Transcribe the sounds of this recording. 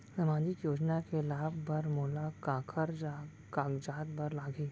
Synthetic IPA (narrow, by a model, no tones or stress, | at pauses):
sɐmãːd͡ʒikjoːd͡ʒnakelaːbʱbɐɾmoːlakaːkʰəɾa | kaːɡd͡ʒaːt̪̚bɐɾlaːɡiː